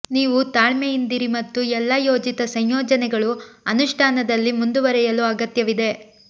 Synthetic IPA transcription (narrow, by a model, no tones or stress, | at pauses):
niːʋut̪aːɭmɛjind̪iɾimɐt̪ːuɛlːɐjo̞ːd͡ʒit̪ɐsɐɲjɔːd͡ʒɐnɛɡɐɭuɐnuʂʈʰaːnɐd̪ɐlːimund̪uʋɐɾɛjɐluɐɡɐt̪jɐʋid̪e̞